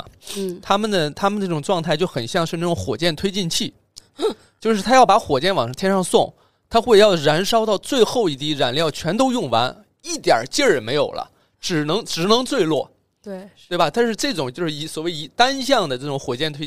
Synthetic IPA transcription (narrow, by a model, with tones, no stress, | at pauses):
t̪ʰa˥mə˨nd̪ə˩t̪ʰa˥mə˨nəɤ˥˩ʈ͡ʂʊ˨˩ŋʈ͡ʂwɑ˥˧ŋt̪ʰa˥˧ɪt͡ɕjo˥˩ʊxə˨˩nɕjɑ˥˧ŋʂɻ̩˥˧na˥˩ʈ͡ʂʊ˧˥xwɔ˨˩t͡ɕjɛ˥˩nt̪ʰwe˥ɪt͡ɕi˥˧nt͡ɕʰi˥˩ | t͡ɕjo˥˧ʊʂɻ̩˥˩t̪ʰa˥jɑ˥˩ʊpa˧˥xwɔ˨˩t͡ɕjɛ˥˩nwɑ˨˩ŋʂɑ˥˧ŋt̪ʰɛ˥nʂɑ˥˧ŋsʊ˥˩ŋ | t̪ʰa˥xwe˥˧ɪjɑ˥˩ʊɻa˧˥nʂɑ˥ʊt̪ɑ˥˧ʊt͡swe˥˧ɪxo˥˧ʊi˥˩t̪i˥˩ɻa˨˩nljɑ˥˩ʊt͡ɕʰɥɛ˧˥nt̪o˥ʊjʊ˥˩ŋwa̰˧˥n | i˥˩t̪jɐ̰˨˩t͡ɕjɛ˥˩ɻə˧˩nme˧˥ɪjo˨˩ʊlə̰˦ | ʈ͡ʂɻ̩˨˩nɤ˧˥ŋʈ͡ʂɻ̩˨˩nɤ˧˥ŋt͡swe˥˧ɪlwɔ̰˥˩ | wt̪we˥˩ɪbɐ˩t̪a˥˧nʂɻ̩˥˧ʈ͡ʂɤ˥˩ʈ͡ʂʊ˨˩ŋt͡ɕjo˥˧ʊʂɻ̩˥˩i˧˥swɔ˨˩we˥˩ɪi˧˥t̪a˥nɕjɑ˥˩ŋd̪ə˩ʈ͡ʂɤ˥˩ʈ͡ʂʊ˧˥ŋxwɔ˨˩t͡ɕjɛ˥˩nt̪ʰwe˥